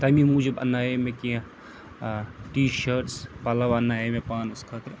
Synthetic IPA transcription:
t̪amimuːd͡ʒɐbɐ̰nːaːjemekĩ | ʈiːʃəɾʈspaːlɐʋaɐnːajemepaːnuskʰɐt̪ɾ

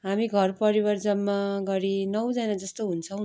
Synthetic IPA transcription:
ɦamiɡʱʌrpʌɾibʌrd͡zʌnmaɡʌɾinʌwd͡zanad͡zʌst̪oɦunt͡sʰʌ̃w̃

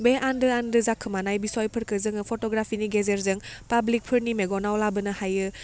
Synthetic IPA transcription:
beʔandɯandɯzakʰːɯmanajbisɔjpʰɯɾkɯzɯŋɯpʰotɔɡɾapʰiniɡezeɾzɯŋpablik̚pʰɯɾnimeɡɔnawlabɯnɐhajɯ

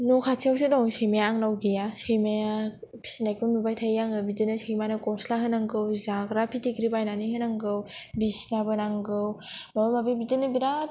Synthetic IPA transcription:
nokʰat͡ʃʰiawsedɔsɯjmajaːŋnawɡejasɯjmajapʰi̥sinajkunnubajtʰajjaŋɯbidɯnɯsɯjmanɯkɔslaɦɯnaŋɡɯwzaɡɾapʰitʰiɡɾibajnaniɦɯnaŋɡɯwbisnabɯnaŋɡɯw | mabɯmabibid͡ʒɯnɯbiɾat̚

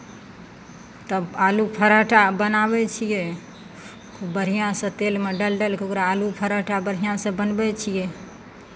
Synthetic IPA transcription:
t̪əbalupʰəɾaʈabənabɛt͡ʃʰijɛ | kbəɾ̤ijãsə̃t̪elmeɖəlɖəlkʰeokɾaːlupʰəɾaʈabəɾɦijãsə̃bənbɛt͡ʃʰije

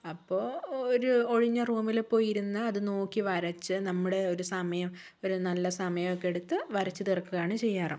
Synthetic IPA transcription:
ɐpːo̞ːoɾuoɻiɲːɐruːmilepːo̞ːjiɾunːɐːðɨno̞ːkːiʋɐɾɐt͡ɕːɨnɐmːuɽe̞o̞ɾusɐmɐjɐm | o̞ɾunɐlːɐsɐmɐjɐmokːeɽut̪ːɨʋɐɾɐt͡ɕːɨt̪irkːuɣaːɳɨt͡ɕe̞jːaːrɨ

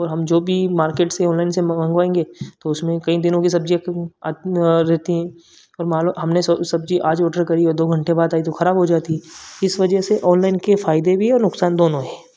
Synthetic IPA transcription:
ɔːɾɦɐmd͡ʒoːbʱimaːɾkeːʈseɔːnlaːɪnsemɐ̃ŋɡʋaːẽːŋɡeːt̪oʊsmẽkɐid̪ɪnõkis̬ɐbd͡ʒikː | ɾɛɦt̪iɦɛ̃ː | ɔːɾmaːlɦɐmnessɐb̚d͡ʒiʔaːd͡ʒɔːɖəɾkɐɾiɔːɾd̪oːɡʱɐ̃ɳʈebaːd̪aːit̪oxɐɾaːbɦod͡ʒaːt̪iɦɛ̃ɪsʋɐd͡ʒəɦseʔɔːnlaːɪnkefaːɪd̪ebʱiɦɛɔːɾnʊksaːnd̪oːnõɦɛ̃ː

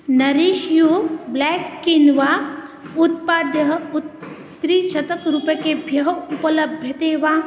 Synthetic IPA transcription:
nɐɾiʃjublɛːkːinʋaːut̪̚paːd̪jɐɦu | ɾiʃɐt̪əkɾupjəkebʱjɐɦɐupɐlɐbʱjɐt̪eːʋaː

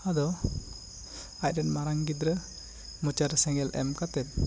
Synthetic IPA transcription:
ad̪ɔ | aj̚ɾɛnmaɾaŋɡid̪ɾə | mut͡ʃaɾsɛŋɛlɛ̰mkat̪ɛt̪̚

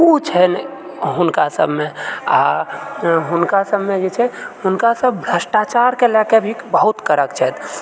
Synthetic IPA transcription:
kut͡ʃʰɛn | ɦunkasə̰bʱmea̰ | ɦunkasəbʱmed͡ʒet͡ʃʰɛhunkasəbʱbʱɾəsʈat͡ʃaɾkelɛkebʱikbəɦut̪kəɾəkt͡ʃʰɛt̪

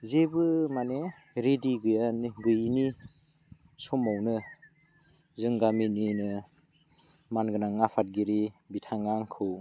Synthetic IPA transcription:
zebɯmane | ɾediɡɯjanɡɯjni | sɔmawnɯ | zɯŋɡamininɯ | manɡɯnaŋːapʰat̚ɡiɾibitʰaŋaŋkʰɯw

